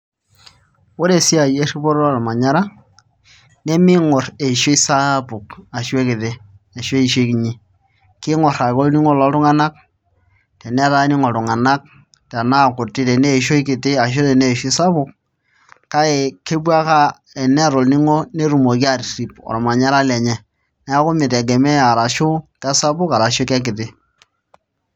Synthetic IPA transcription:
wo˦ɾe˨si˦a˨je˦ri˦bɔ˦ɾɔ˦ɔ˦˨ɾɔ˨ma˨ɲa˦ɾa˦ | ne˦mɪ˦ŋɔ˨re˨ʃe˦sa˦pʊ˨ka˨ʃwe˦kɪ˨ðe˦ | e˨ʃwe˦i˨ʃe˦ki˨ɲi˦ | kɪ˦ŋɔ˨ɾa˨kɔ˦lni˦ŋɔ˦lɔ˨˦tʊ˦ŋa˦na˦k̚ | tɛ˨nɛ˦a˦ta˦ni˦ŋɔ˨tʊ˨ŋa˨na˦k̚ | tɛ˨na˦˨kʊ˨tɪ˦tɛ˨ne˦˨ʃo˦i˦kɪ˨tɪ˦a˨ʃ̬o˦tɛ˨ne˦˨ʃi˦sa˦bʊ˦k̚ | ka˦ɪ˨ke˦b̬wa˦ka˦ | ɛ˨nɛ˦˨ɾʊ˨lni˦ŋo˦ne˦ɾu˨mo˨ki˦a˦˨ɾɾi˨pɔ̰˨ɾɔ˨ma˨ɲa˦ɾa˦lɛ˨ɲɛ˨ | nɛ˦a˦kʊ˦mɪ˨tɛ˨ɡɛ˨mɛ˦a˨ɾa˨ʃʊ˦kɛ˦sa˦bʊ˦ka˨ɾa˨ʃo˦kɛ˦k̬ɪ˨ðɪ˦

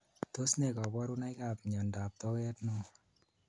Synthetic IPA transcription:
to˦sne˨ka˨bɔ˦ɾu˦na˦jka˨pɲɔ˨nda˨p̚t̪ɔ˦kɛ˦tno˦

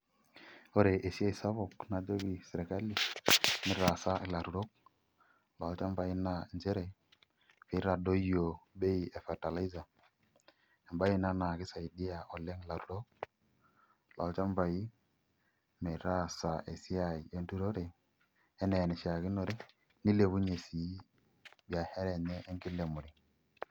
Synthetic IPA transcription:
o˦ɾe˨ʔe˨si˦a˦i˨sa˦βɔ˨kna˨d͡ʒo˦βi˨sɛ˨ɾɛ˨ka˦li˨mɪ˨ɾa˨sa˦˨la˨ɾu˨ɾo˦k̚ | la˨˦t͡ʃa˦ɱva˨i˦na˨nd͡ʒɛ˦ɾɛ˨ | fi˨˦ɾa˨do˦jo˨be˦i˨e˨fɛ˨ta˨la˦i˦za˨ | e˨mba˦ji˦na˦na˨kɪ˦sa˨i˨di˦a˨ʔɔ˨lɛ˦ŋ˦la˨ɾu˨ɾo˦k̚ | la˨˦t͡ʃa˦ɱva˨ji˦ | me˨ɾa˦sa˨ʔe˨si˦a˨i˨e˦n˦tu˦ɾo˦ɾe˨ | ɛ˦nɛ˨nɛ˨ʃa˨ɣɪ˦nɔ˨ɾɪ˦ | ni˦le˨βu˦ɲe˨si˨˦ | bi˨a˨hɛ˦ɾɛ˨ɲɛ˦ʔːŋɡi˦le˨mu˨ɾi˦

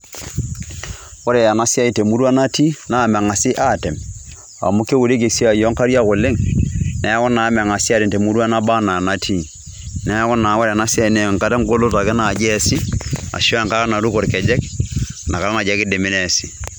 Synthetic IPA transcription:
o˦ɾe˨ja˨na˦sa˦i˨te˨mu˦ɾu˦a˦na˦ti˦na˨mɛ˨ŋa˨si˦ʔa˦˨tɛ˨m | a̰˨mu˦ke˦wu˨ɾe˦k̬e˨si˦a˨jɔ˦ŋka˦ɾja˦ko˨le˦ŋnɛ˨˦kɔ˦na˨˦mɛ˨ŋa˨si˦a˦tɛ˨nte˨mu˦ɾu˦a˦na˦ba˦na˨na˦tʰi˦˨ | nɛ˦kɔ˦na˨˦wo˦ɾa˨na˦si˦a˦˨i˦nɛ˨ŋka˦tɛ˦ŋ˦ɡo˦lo˦ta˨kɛ˦na˨d͡ʒɛ˦si˦a̰˨ʃɔ˦a˨ŋka˦ɾa˦na˨ɾu˦ko˨ɾkɛ˨d͡ʒɛ˦knʔa˨ka˨ɾa˦na˨d͡ʒɛ˨˦kɪ˦de˨mɪ˦nɛ˦si˨

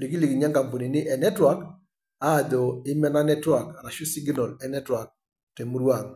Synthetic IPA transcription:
li˨ɡi˦li˨ɡi˨ɲa˦ŋka˨mpo˨ni˨nɪ˦ʔɛ˨nɛ˦twa˨k | aː˦˨d̪o˨ɪ˦mɛ˦na˦nɛ˦twa˨kɾa˨ʃu˦si˦ɡnɔ˨lɛ˨nɛ˦twa˨k̚ | te˨mu˦ɾwa˨ŋ

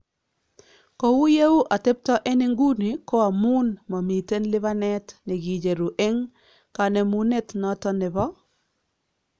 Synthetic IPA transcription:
kɔ˨wu˦je˦u˦ʔa˨te˦p̚tɔ˦ʔe˦nɪ˦ŋɡu˦ni˨kɔ˦a˨mu˦nmɔ˨mi˨te˦nlɪ˦βa˦nɛ˦tnɪ˨ɡi˨d͡ʒe˨ɾu˨ʔe˦ŋ | ka˨ne˨mu˦ne˦tnɔ˦tɔ˦nɪ˨bɔ˦

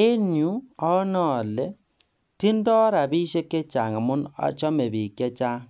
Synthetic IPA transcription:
e˦ɲu˦ɔ˦nɔ˨le˨ | ti˦ndɔ˦ɾa˨bi˦ʃe˦ke˦t͡ʃa˨ŋa˨mu˦na̰˨t͡ʃɔ˦me˨βi˨kje˦t͡ʃa˦

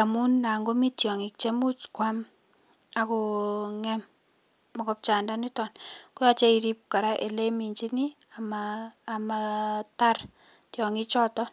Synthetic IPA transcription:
a˨mu˦nːa˨ŋɡo˦mi˦tjɔ˨ŋɪ˨k̚t͡ʃe˦mu˦t͡ʃkwa˦m | akɔ˨ŋɛm | mɔ˨kɔp̚t͡ʃa˨ndanɪ˦tɔnkʊ˦ja˨t͡ʃe˦iɾi˦p̚ka˨ɾa˦ʔe˨le˦mi˨ɲd͡ʒi˦ni˦ | amaːmata˦r | tjɔŋɪ˦t͡ʃɔtɔ

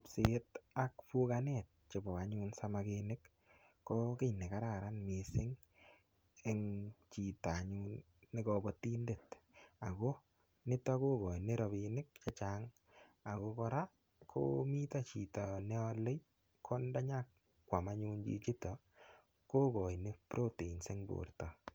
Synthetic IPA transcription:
psɪ˦ta˨kpu˦ka˦net̚t͡ʃɪ˨bɔ˨a˨ɲu˦nsa˦ma˨ke˧nɪ˦kː | ɔ˦ke˦jne˨ka˦ɾa˨ɾa˦nmi˨sɪ˦ŋ | e˦ŋt͡ʃi˨ta˨ɲu˦nː | ɪ˦kɔbɔ˦ti˦nde˨t | a˨ko˦ | nɪ˦tɔ˦ko˦kɔ˨jnɪ˦ɾɔ˨binɪ˦k̚t͡ʃa˦t͡ʃa˦ŋ | a˨ko˦kɔ˧ɾa˦ | kʰo̰˦mi˦ta˦t͡ʃi˨tɔ˨nɛ˦ɔ˦le˦j | kʰɔ˦nda˦ɲa˦k | kːwa˨ma˦ɲu˦nt͡ʃḭ˦t͡ʃɪ˦tɔ˨ | ko˦kɔ˨jnɪ˦pɾo˦te˨i˨nse˦ŋbo̰˨ɾtɔ˨

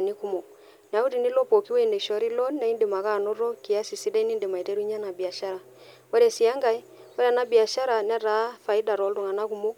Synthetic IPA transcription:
ni˦ku˦mɔ˨ | n˨a˨u˦ɾi˨ni˦lɔ˦pɔ˨ki˦wɛ˦˨ne˨ʃɔ˨˦ɾi˦lɔ˦nːa˨i˦nde˨ma˨ka˦˨nɔ˦ɾɔ˦ki˨a˦si˨si˦da˦i˦ni˦nde˨ma˨i˨tɛ˦ɾu˦ɲa˦na˨bi˨a˨ʃa˦ɾa˨ | wɛ˦ɾɛ˨si˨a˦ŋɡa˦i˦wɛ˦ɾa˨na˦bi˨a˨ʃa˦ɾa˨nɛ˦ɾa˨˦fa˨i˦da˨ɾɔ˨˦lo˨ŋa˨na˦ku˦mo˦

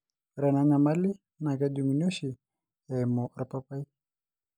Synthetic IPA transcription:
ɾa˨nana˨ma˦li˦ | na˨ka˦dumino˦si˨ | ɛ˨mo˨ɾapa˦pa˦i˦

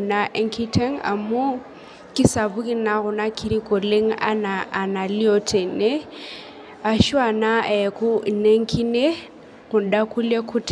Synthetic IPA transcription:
na˦ʔɛ˦ŋkʰi˦tʰɛ˦ŋa̰˨mu˦ | ki˦sa˨βu˦ki˦na˨ɣʊ˨na˦kʰi˦ɾi˦kɔ˨le˦ŋa̰˦naː˨na˨li˦ɔ˦tʰɛ˨nɛ˦ | a˨ʃu˦a˨na˦ɛ˨ku˦˨nɛ˦ŋ̩˦kʰi˦ne˦ | ɣʊ˨nda˦ku˦le˦kʰu˦t

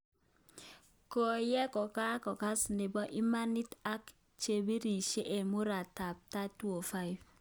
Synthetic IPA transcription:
kɔ˨jɛ˦kɔ˨ka˦kɔ˨ka˦sne˨bɔ˦ʔi˦ma˦ni˦ta˦k | t͡ʃe˨bi˦ɾi˨ʃe˦ʔe˨mu˦ɾa˨ta˨p̚ta˦tu˦o˨fa˦i˨f

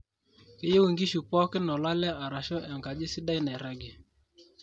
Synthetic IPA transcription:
ke˦je˦wu˨ŋɡi˦ʃu˨pɔ˦kɪ˦nɔ˨la˦lɛ˦a˨ɾa˨ʃɔ˦ɛ˨ŋɡa˨d͡ʒɪ˦si˦da˦i˦nɛ˨ɾa˦ɡɛ˨

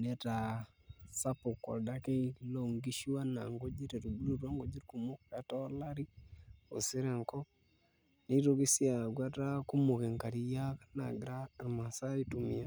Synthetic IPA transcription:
ne˦ta˨ | sa˦po˨kːo̰˨ɾda˦ke˦lo˦˨ŋɡi˦ʃi˦wa˦na˨ŋɡo˦d͡ʒi˦ɾe˨ɾu˨bu˦ɾu˦ɾa˦ŋɡo˦d͡ʒi˦ɾku˨mo˦ka˨to˦la˦ɾi˦o̰˨si˦ɾe˨ŋko˦ | ni˦ɾo˦ɡi˦si˦a˨ɡa˦ta˦ku˦mo˨ke˨ŋka˨ɾi˨ja˦ka˦na̰˨ɡɾa˦˨ɾma˨sa˦i˦tu˨mi˨a˨

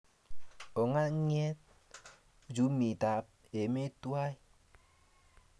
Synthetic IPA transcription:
o˨ŋa˦ŋ˦ɲ˦e˦t̚ | d͡ʒu˦mi˨ta˨p̚ | e˨me˦tu˦a˦i˦

